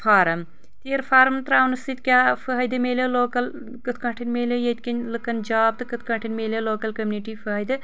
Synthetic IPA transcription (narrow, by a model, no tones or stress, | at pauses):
fʰaːɾɐm | t̪eːɾfʰaːɾɐmt̪ɾaːwnɨst̪it̪ʲkʲjaːfɐɦɐjd̪ɨmeːlʲeloːkɐl | kɨt̪ʰkɐʈʰinmeːlʲejet̪ʲkʲinlɨkːɐnd͡ʒaːb̚t̪ɨkɨt̪̚ʰkɐɳʈʰinʲmeːlʲɐloːkɐlkɐmʲniʈiːfɐːɦɐjd̪ɨ